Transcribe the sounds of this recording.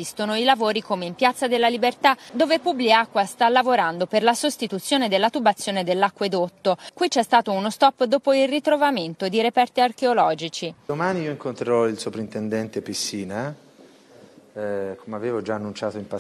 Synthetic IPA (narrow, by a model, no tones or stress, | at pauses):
ist̪onoilavoːɾikomeimpjat̪sːad̪elːalibert̪ad̪oːvepubliakːwast̪alavoɾand̪operlasost̪it̪ut̪sːjoːned̪elːat̪ubat̪sːjoːned̪elːakːwed̪ot̪ːokwit͡ʃːɛst̪aːt̪ounost̪ɔpːd̪oːpoilrit̪ɾovament̪od̪iɾepɛrt̪iarkeolɔːd͡ʒit͡ʃid̪omaːniiːoiŋkont̪ɾeɾɔilsopɾint̪ɛnd̪ɛnt̪episːiːna | kʰomeaveːvod͡ʒaːnːunt͡ʃaːt̪oimpa